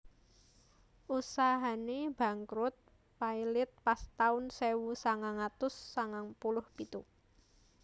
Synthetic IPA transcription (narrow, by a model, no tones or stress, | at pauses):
ʔusaɦaneb̥ä̤ŋkɾʊt̪̚ | paijlɪt̪̚past̪aʊnsewusaŋaŋat̪ʊsːaŋaŋpulʊhpit̪u